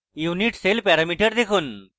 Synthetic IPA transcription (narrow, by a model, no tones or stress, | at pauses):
juniʈselpɛɾamiʈəɾd̪ekʰuːn